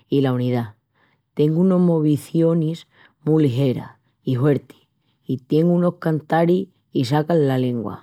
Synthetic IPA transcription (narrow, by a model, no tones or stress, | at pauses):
ilauniða | t̪e̞ŋɡuuno̞ɦmoβiθjo̞nis | muliɦe̞ɾa̰ | iɦwe̞ɾt̪i̥ | it̪je̞ŋɡuno̞hkant̪aɾi | is̬akallale̞ŋɡwa̰